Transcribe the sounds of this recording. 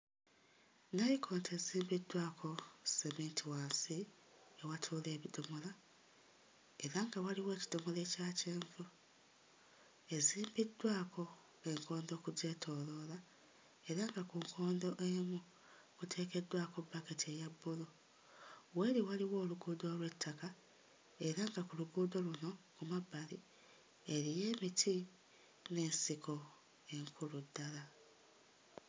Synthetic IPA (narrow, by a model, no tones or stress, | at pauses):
nalikʰoːntʰe̞ziːmbidwaːkʰo̞semeːntʰiwaːnsi | ewatʰuːle̞ːβidomola | e̞ɾaŋɡawaliwe̞ːci̥domole̞caːceːɱvu | e̞ziːmbidwaːkʰo̞ | e̞ŋkʰo̞ːnd̪o̞ːkuɟe̞tʰo̞lo̞la | e̞ɾaŋɡakuŋkʰo̞ːndo̞ʔemu | kutʰe̞ːke̞dːwaːko̞baketie̞jabːulo | we̞ːɾiwaliwo̞ːluɡuːdoːlwe̞tʰːaka | e̞ɾaŋɡakuluɡuːdo̞luno̞kumabːali | e̞ɾije̞ːmitʰi | ne̞ːnsikʰo̞ | e̞ŋkʰuludːala